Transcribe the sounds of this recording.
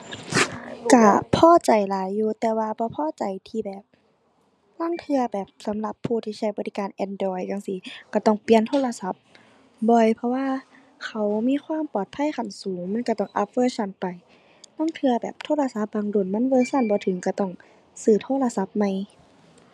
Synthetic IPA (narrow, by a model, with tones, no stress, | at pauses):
ka˧˩pʰɔː˧˥˨t͡ɕa˨˩jlaː˨˦jːuː˧˩t̪ɛː˨˧waː˧bɔː˧˦pʰɔː˧˥˨t͡ɕa˨jt̪ʰiː˧bɛː˨˩p̚ | laː˧˥˨ŋt̪ʰɯ˧ɐbɛː˨˩p̚sa˨˦mla˧˦pʰːuː˧˩t̪ʰiː˧˩t͡ɕʰa˧˩jbɔ˧˦t̪i˧kaː˨nʔɛ˧˨ndɔː˧˩jjaː˧ŋsi˧ka˧˩t̪ɔ˧˩ŋpi˧ənt̪ʰoː˧˥˨la˧sa˧˦p̚ | bɔ˧˩jpʰɔ˧waː˧˨ | kʰa˧˩wmiː˧˥˨xʰwaː˧˥˨mpɔː˨˩t̪̚pʰa˧˥˨jka˨˩nsuː˨˦ŋma˧˥˨nka˧˩t̪ɔ˧˩ŋʔa˧˦p̚wɤː˧˥˨sa˧˩˨npa˨˩j | laː˧˥˨ŋt̪ʰɯ˧ɐ˧bɛː˨˩p̚t̪ʰoː˧˥˨la˧sa˧˦p̚baː˧˨ŋdu˧˩˨nma˧˥˨nbɤː˧˨sa˧˩˨nbɔː˧˦t̪ʰɯ˨˦ŋka˧˩t̪ɔ˧˩ŋ | sɯː˨˩t̪ʰoː˧˥˨la˧sa˧˦p̚ma˧˩˨j